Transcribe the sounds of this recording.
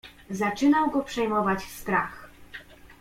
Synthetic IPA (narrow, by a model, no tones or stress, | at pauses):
zat͡ʂɘnawɡɔpʂɛjmɔvat͡ɕst̪ɾax